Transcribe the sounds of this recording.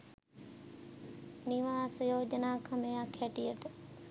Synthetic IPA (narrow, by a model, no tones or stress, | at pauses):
nɪʋaːsjoːd͡ʒənaːkʰɐmejakʰeːʈijəʈ